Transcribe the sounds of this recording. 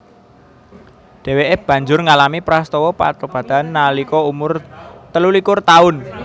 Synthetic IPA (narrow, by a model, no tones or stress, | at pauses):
ɖ̪̥e̤weʔeb̥ä̤ɲd͡ʒʊrŋalamipɾast̪ɔwɔpa̰t̪ob̥ä̤d̪̥a̤nːalikɔumʊrt̪əlulikʊrt̪aʊn